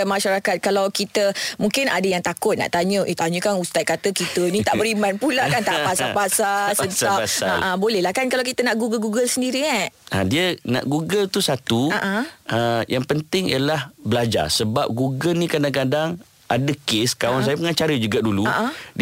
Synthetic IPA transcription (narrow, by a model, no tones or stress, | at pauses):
maʃaɾakat̪̚kalawkit̪əmuŋkɪnʔa̰dəjaŋt̪akʊt̪̚na̰ʔt̪aɲə̃ʔet̪aɲũkanust̪aj̚kat̪əkit̪ənĩt̪aʔbəɾimanpulaʔkant̪aʔpasapasasəntaasaaʔabolɛhlahkankalawkit̪ənaʔɡuɡəlɡuɡəlsəndiɾiŋaadiəna̰ʔɡuɡəlt̪usat̪uaʔaəjaŋpənt̪ɪŋḭalahbəlad͡ʒa̰rsəbap̚ɡuɡəlnĩkadaŋkadaŋ | adəkeskawansajapəŋat͡ʃaɾəd͡ʒuɡaʔduluaʔa